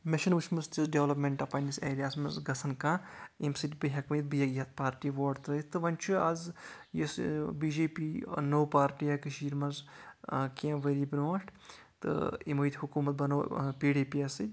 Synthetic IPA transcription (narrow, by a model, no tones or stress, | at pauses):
meʃinʋut͡ʃʰmɨst͡ʃisɖeʋlɐpmʲeɳʈɐpɐniseːɾijaːsmɐzɡɐsʰɐnkãːimsitibɨɦɐkmjit̪̚bɨjɐɡjɐt̪̚paːɾʈiʋoːɖt̪ɾɐit̪ɨʋɐnʲt͡ʃʰɨɐzjisbiːd͡ʒeːpiːnoːwpaːɾʈiɐkɨʃiːɾmɐz | kiɐ̃ʋɐɾibnoːʂʈ | t̪ɨ̰imɐjt̪ʰʲhukuːmɐt̪̚bɐnoːpiːɖeːpiɐsɨ